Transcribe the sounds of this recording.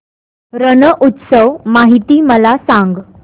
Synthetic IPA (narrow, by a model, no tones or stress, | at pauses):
ɾənəʔut̪səʋmaɦit̪iːməlasãŋɡ